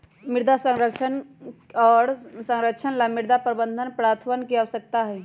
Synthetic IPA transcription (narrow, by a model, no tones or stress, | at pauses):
miɾd̪ʱasə̃ŋɾəkʃʰənɔːɾsə̃ŋɾəkʃʰənlamiɾd̪ʱapɾəbənd̪ʱənpɾat̪ʰʋənkiaʋəsək̚t̪aɦɛː